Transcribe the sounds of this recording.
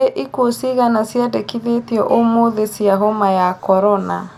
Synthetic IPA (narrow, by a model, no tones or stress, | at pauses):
eʔikosiɣanasjadekiðetjɔʔomoðesiaɦomajakɔɾɔna